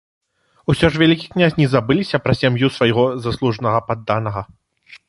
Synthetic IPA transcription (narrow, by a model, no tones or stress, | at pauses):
usʲɔʂvʲalʲikʲiknʲazʲnʲizabɨlʲisʲɐpɾɐsʲamjusvajɣɔzaslˠuʐnɐɣɐpad̪ːanɐɣɐ